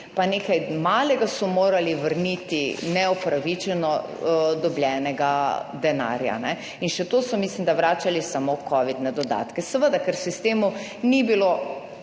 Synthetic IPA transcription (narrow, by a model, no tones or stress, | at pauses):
paneːkajmaːlɛɡasɔmoːɾaliʋəɾnit̪inɛɔpɾaʋit͡ʃɛnɔ | d̪ɔblʲjɛːnɛɡad̪ɛna̰ːɾja̰nɛ | inʃɛt̪oːsɔmislimd̪aʋɾaːt͡ʃalisamokɔʋid̪nɛd̪ɔd̪a̰ːt̪kɛsɛʋəd̪akɛɾsist̪eːmu | nibilo